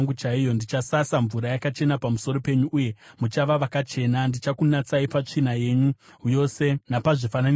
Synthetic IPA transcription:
ŋɡut͡ʃaijo̞ndit͡ʃasasaɱvuɾajakat͡ʃe̞napamuso̞ɾo̞pe̞ɲuʔːje̞mut͡ʃaʋaʋakat͡ʃe̞nandit͡ʃakunat͡saipat͡ʂinaje̞ɲujo̞se̞napaʐifanani

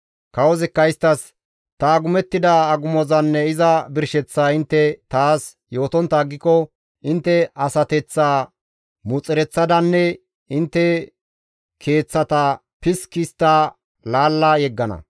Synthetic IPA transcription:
kɐwɔzɛkːɐjɪst̪ːɐs | t̪ɐːɡʊmɛt̪ːɪd̪ɐːɡʊmɔzɐnːɛɪzɐbɪɾʃɛt͡sːaːɪnt̪ːɛt̪aːs | jo̞ːt̪ɔnt̪ːɐːɡːɪkɔ | ɪnt̪ːɛɐsɐt̪ɛt͡sːaː | mʊt͡sʼɪɾɛt͡sːɐd̪ɐnːɛ | ɪnt̪ːɛ | kʰe̞ːt͡sːɐt̪ɐ | pɪskɪst̪ːaː | laːlːɐjɛɡːɐnɐ̰

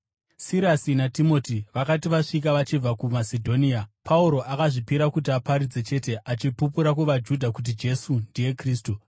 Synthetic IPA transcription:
siɾasinatimo̞tiʋakatiʋaʂik̬aʋat͡ʃib͡vakumasedʱo̞niapʰauɾo̞ʔakaʐipiɾakut̬iapaɾid͡ze̞t͡ʃe̞te̞ʔat͡ʃipupuɾakuʋad͡ʒudʱakut̬id͡ʒe̞sundije̞kriːs̬tu

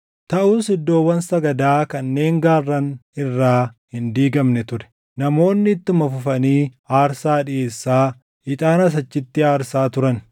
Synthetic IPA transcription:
t̪ɐʔuːsɪd̪ːo̞ːwːɐnsɐɡɐd̪aːkɐnːe̞ːŋɡaːrːɐnɪrːaːhɪnd̪iːɡɐmnɛt̪ʊɾɛ̥ | nɐmo̞ːnːɪːt̪ːɪmɐfʊfɐniː | aːɾsaːᶑɪʔeːsːaː | ɪt̪ʼaːnɐs̬ɐt͡ʃːɪt̪ːɪaːɾsaːt̪ʊɾɐn

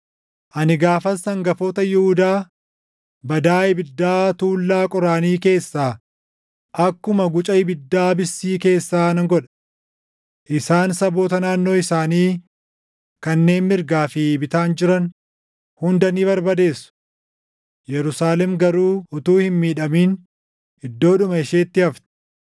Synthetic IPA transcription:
ʔɐnɪɡaːfɐsːɐŋɡɐfoːt̪ɐjɪhʊd̪aː | bɐd̪aːɪbɪd̪ːaːt̪uːlːaːkʼɔɾaːniːke̞ːsːaː | ʔɐkːʊmɐɡʊt͡ʃʼɐɪbɪd̪ːaːbɪsːiːke̞ːsːaːnɐŋɡɔᶑɐ̥ | ʔɪsaːnsɐbo̞ːt̪ɐnaːnːo̞ːɪsaːniː | kɐnːe̞ːnmɪɾɡaːfɪbɪt̪aːnd͡ʒɪɾɐn | hʊnd̪ɐniːβɐɾbɐd̪e̞ːsːʊ̥ | jɛɾʊsaːlɛmɡɐɾuːʊt̪uːhɪnmiːᶑɐmiːn | ɪd̪ːo̞ːᶑʊmɐɪʃeːt̪ːɪhɐft̪ɪ̥

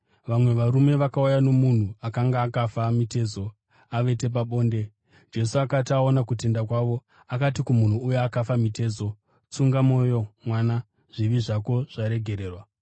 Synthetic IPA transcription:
ʋamwe̞ʋaɾume̞ʋakaujano̞mun̤uakaŋɡaːkafamite̞ːzo̞ | aʋe̞te̞p̬aɓo̞ːnde̞ | d͡ʒe̞suakataonakute̞ndakwaʋo̞ | akatikumun̤uːjeakafamite̞ːzo̞ | t͡suŋɡamo̞jo̞mwana | ʐ̥iʋiʐako̞ʐ̥aɾe̞ɡʱe̞ɾe̞ːrwa

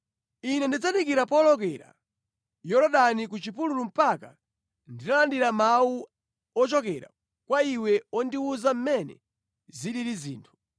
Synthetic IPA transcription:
inɛndid͡zanikiɾapɔlɔk̬ɛɾa̰ | jɔɾɔɗanikut͡ʃipululum̩paka | ndinalandiɾamau | ɔt͡ʃɔkɛɾa̰ | kwaiwɛɔndiuzam̩mɛnɛ̰ | ziɗiɾizḭːntʰu̥

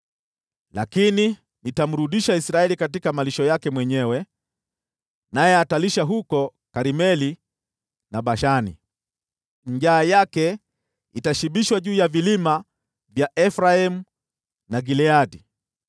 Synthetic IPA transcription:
lakini | nitam̩ɾuɗiʃaisɾaɛlikat̬ikamaliʃɔjakɛmwɛɲɛwɛ | najɛataliʃaɦukɔ | kaɾimɛli | naɓaʃanḭ | ɲʄaːjakɛ | itaʃiɓiʃwaʄuːjavilima | vjaʔɛfɾaɛmu | naɡilɛadi

